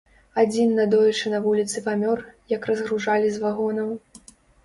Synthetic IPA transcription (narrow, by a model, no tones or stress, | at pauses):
ad͡zʲinːɐd̪ɔjʲɛt͡ʂɨnɐvulʲit̪sɨpamʲɔrjɐkrɐzɣɾuʐalʲizvaɣɔnɐw